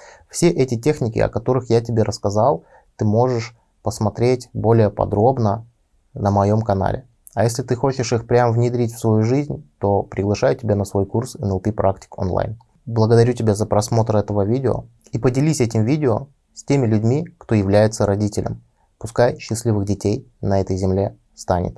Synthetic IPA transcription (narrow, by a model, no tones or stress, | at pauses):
fsʲe̞ʔɛtʲɪtʲexnʲɪkʲɪ̰ɐ̰kɐt̪o̞ɾɨxjatʲɪbʲe̞ɾəskɐzalˠ | t̪ɨmo̞ʐɨʂ | pəsmɐt̪ɾʲetʲbo̞lʲɪjəpɐ̰d̪ɾo̞bnə | nəmɐjo̞mkɐna̰lʲʔɪ̰ | ɐjesʲlʲɪt̪ɨxo̞t͡ɕɪʂixpɾʲamvnʲɪd̪ɾʲitʲfsvɐjuʐɨzʲnʲt̪o̞pɾʲɪɡlˠɐʂajʊtʲɪbʲanəsvo̞jkursinəʊpʲipɾaktʲɪ̥ko̰nlˠa̰jn | blˠəɡəd̪ɐɾʲutʲɪbʲazəpɾɐsmo̞t̪ɾəɛt̪əvəvʲidʲɪo̰ | ipədʲɪlʲisʲɛtʲɪmvʲidʲɪo | sʲtʲemʲɪlʲʉdʲmʲikt̪o̞jɪvlʲæjɪt̪səɾɐdʲitʲɪlʲə̰m | pʊskajɕːɪsʲlʲivɨɣdʲɪtʲej | nɐɛt̪əjzʲɪmlʲe̞ | st̪anʲɪ̰t̪